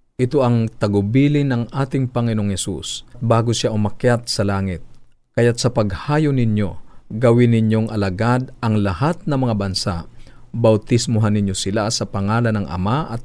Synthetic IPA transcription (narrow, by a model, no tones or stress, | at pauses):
ʔɪt̪oʔɐŋt̪ɐɡʊbiːlɪnːɐŋʔaːt̪ɪŋpɐŋɪnoŋhɛsṵst̪̚baːɡosaʔʊmɐkjat̪̚sɐlaːŋɪt̪̚ | kɐjat̪̚sɐpɐɡhaːjonɪnjoɡɐwɪnɪɲjoŋʔɐlaɡad̪ʔɐŋlɐhat̪̚nɐŋmɐŋabɐnsa̰ʔbɐwt̪ɪsmʊɦanːɪɲjosɪlasɐpɐŋaːlɐnːɐŋʔɐ̰maʔɐt̪̚